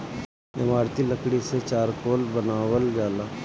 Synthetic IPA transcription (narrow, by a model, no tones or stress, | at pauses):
ɪmaːɾt̪iləkɽiset͡ʃaːɾkoːlbənaːwəlɡaːlaː